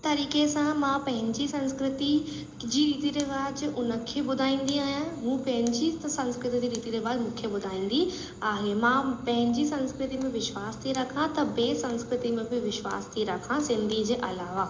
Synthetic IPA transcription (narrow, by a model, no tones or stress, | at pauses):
t̪ɐɾiːkesãmãːpɐ̃ɦɪ̃ɲd͡ʑisɐ̃nskɾɪt̪i | d͡ʑiɾiːt̪iɾeʋaːd͡ʑʔʊnə̆kʰeːɓʊd̪ʱaːĩːn̆d̪iaːɦijãmũːpɐ̃ɦɪ̃ɲd͡ʑisɐ̃nskɾɪt̪id͡ʑ̪iɾiːt̪iɾebaːdmũːkʰeɓʊd̪ʱaːĩːn̆d̪i | aːɦemãpɐ̃ɦɪ̃ɲd͡ʑisɐ̃nskɾɪt̪imẽʋɪʃwaːst̪ʰiɾɐkʰãt̪ɐbeːsɐ̃nskɾɪt̪imẽbɪʋɪʃwa̰ːst̪ʰiɾɐkʰãsɪ̃nd̪ʱid͡ʑeːʔɐlaːʋa